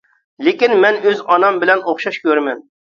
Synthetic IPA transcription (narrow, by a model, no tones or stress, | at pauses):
lekʲinmɛnøzɑnɑmbɪlɛnoχʃɑʃkʲøɾmɛn